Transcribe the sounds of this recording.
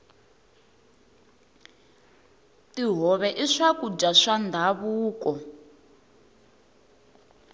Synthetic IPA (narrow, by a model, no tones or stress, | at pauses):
tiɦɔβɛʔiʂakud͡ʒaʂand̪ʱaβuːkɔ